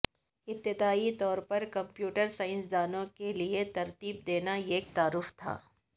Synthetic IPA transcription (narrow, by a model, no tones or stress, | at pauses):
ɪp̚t̪ɪd̪aːit̪ɔːɾpɐɾkɐ̃mpjuːʈəɾsaːɪ̃nsd̪aːnõkeliet̪ɐɾt̪iːb̚d̪eːnaeːk̚t̪aːɾʊft̪ʰa̰ː